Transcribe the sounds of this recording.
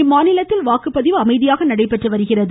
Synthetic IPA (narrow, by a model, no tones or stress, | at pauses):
ɪmaːnɪlɐt̪ːɪlʋaːkɯpːɐðɪʋɯɐmɐɪðɪjaːɣɐnɐɽɐɪpːɛʈrɯʋɐɾɯɣɪrɐðɯ